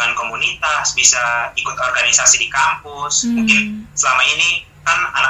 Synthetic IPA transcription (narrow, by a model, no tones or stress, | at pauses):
ŋankomunit̪asbisaikʊt̪ɔrɡanisasidikampʊsmuŋkɪnsəlamaini | kana̰na